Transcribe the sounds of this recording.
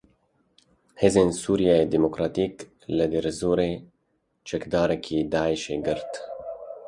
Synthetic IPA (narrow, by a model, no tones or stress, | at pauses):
hezensuɾjaed̪emokɾat̪ik | ləd̪eɾzuɾe | t͡ʃəkd̪aːɾekʰid̪aːjʃeɡəɾt̪